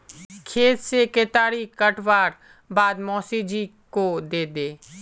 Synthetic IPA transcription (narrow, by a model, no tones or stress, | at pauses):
kʰeːt̪sekeːt̪aːɾikəʈʋaːɾ | baːd̪mɔːsiːd͡ʒiːkod̪eːd̪eː